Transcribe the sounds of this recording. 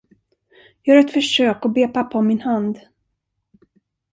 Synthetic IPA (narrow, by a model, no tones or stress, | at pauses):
jɑːhaɾɛt̪fœʂøːkɔbeːpapːaɔmɪnhand̪